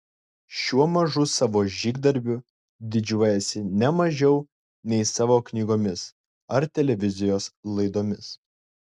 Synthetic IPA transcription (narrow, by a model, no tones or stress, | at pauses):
ʃʲuɔmɐʒʊsɑːʋoːʒʲiːɡd̪ɐɾʲbʲʊ | d̪ʲɪd͡ʒʲuɔjɛsʲɪnʲɛmɐʒʲɛʊ | nʲɛɪsɑːʋoːknʲiːɡoːmʲɪs | ɐɾt̪ʲɛlʲɛʋʲɪzʲɪjoːslˠɐɪd̪oːmʲɪs